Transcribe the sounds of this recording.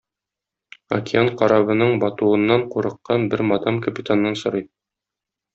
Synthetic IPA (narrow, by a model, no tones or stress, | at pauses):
ɐ̰kʲiaɴqɒɾɑβɤ̆nɤɴbɒt̪uɤ̆nːɑɴquɾɤ̆qːɑnbɘɾmɒd̪ɑmkɐpʲit̪anːɑnsŏɾɤj